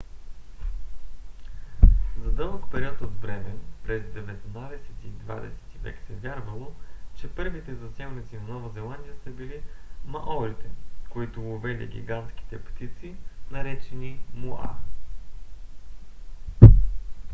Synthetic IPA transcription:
zɐd̪ɤməkpɛɾiɔt̪od̪bɾɛmɛpɾɛzd̪ɛvɛt̪nad̪ɛsɛ̥t̪id̪va̰d̪ɛ̰sɛ̥t̪ivɛ̰ksɛvʲjaɾvɐlˠot͡ʃɛpɤɾvit̪ɛzɐsɛmnət̪sʲinɐnɔvɐzɛlˠand̪ʲijəsɐbilimɐʔɔɾit̪ɛkoit̪ʊovɛlḭɡʲḭɡant̪kʲi̥t̪ɛpt̪it̪sinɐɾɛt͡ʃɛnimoa̰

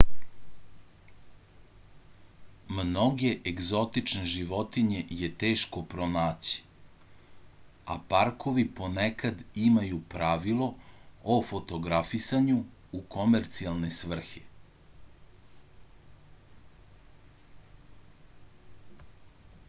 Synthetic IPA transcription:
mno̞ɡe̞ʔeɡzo̞t̪it͡ʃne̞ʒiʋo̞t̪iɲe̞jet̪e̞ːʃko̞pɾonaːt͡ɕi̥ | a̰paɾkoʋipo̞nekad̪imajupɾaʋilˠo̞ofot̪o̞ɡɾafisaɲu | uko̞meɾt̪sialˠne̞sʋr̩xe

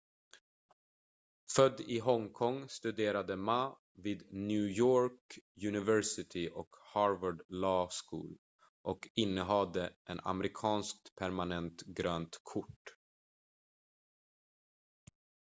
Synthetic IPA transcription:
fœd̪ːɪɦɔŋkʰɔŋst̪ɵd̪eːɾad̪əma | viːd̪njʉːjoːɾkjɵnɪvɛɾsɪt̪ʰɪʔɔkhɑɾvaɖlɑːskṵːl | ʔɔkɪnːəɦɑd̪əʔɛna̰mɾɪkʰɑːnsk̚t̪pʰæɾmanɛnt̪ɡɾøːnt̪kʰʊʈː

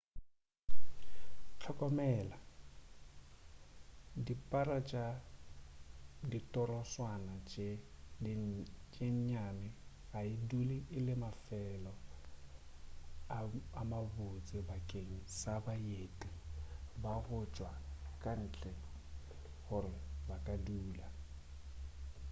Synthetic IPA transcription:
t͡ɬʰɔkʼɔmɛla | dipʼaɾat͡ʃʼa | ditʼɔɾɔswanat͡ʃʼ | t͡ʃʼeɲɲamɪ | ɣaɪduliɪlɪmafɛlɔ | aamabʊt͡sʼɪbakʼeŋ̩sabajetʼibahʊt͡ʃʼwakʼan̩ːt͡ɬʼɛ | hʊrɪbakʼaduːla

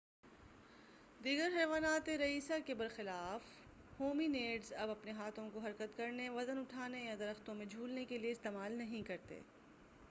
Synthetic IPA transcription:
d̪iːɡəɾɦɛːʋaːnaːt̪eɾɐiːsakebɐɾxɪlaːf | hoːmineːɖzɐbɐpneɦaːt̪ʰõkoɦɐɾkət̪kɐɾneʋɐzənʊʈʰaːnejad̪ɐɾəxt̪õmẽd͡ʒʱuːlnekelieɪst̪eːmaːlnɐɦĩkɐɾt̪ḛː

